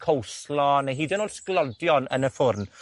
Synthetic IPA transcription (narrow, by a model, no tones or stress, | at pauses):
kʰowslɔnaɦiːdɛnoːdsklɔdjɔnə̰nəfʊrn